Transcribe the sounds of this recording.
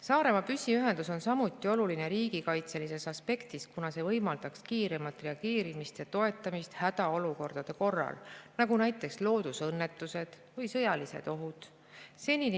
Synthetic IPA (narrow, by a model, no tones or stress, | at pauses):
sɑːɾe̞mɑpysʲːiyɦe̞nd̪uso̞nsɑmut̪ːˑio̞luline̞ɾiːɡikɑjt̪se̞lise̞sɑspe̞kt̪iskunɑse̞vɤ̞jmɑld̪̥ɑkskiːɾe̞mɑlt̪ːˑre̞ɑɡ̥eːɾimist̪jɑt̪o̞e̞t̪ːˑɑmist̪hæd̪̥ɑo̞luko̞rd̪̥ɑd̪̥e̞ko̞rːɑ̰lnɑɡunæjt̪ːˑe̞kslo̞ːd̪̥usɤnːe̞t̪ːˑuse̞d̪̥ | vɤjsɤjɑlise̞̰d̪̥o̞ɦud̪̥ | se̞lʲːin